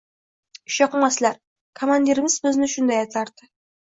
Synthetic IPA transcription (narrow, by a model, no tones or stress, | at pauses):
ʃɑqəɴmɑslɑɾ | kʰomand̪ʲiɾɪmɪzbɪznɪʃʊnd̪ɑjɑt̪ʰɑɾt̪ɪ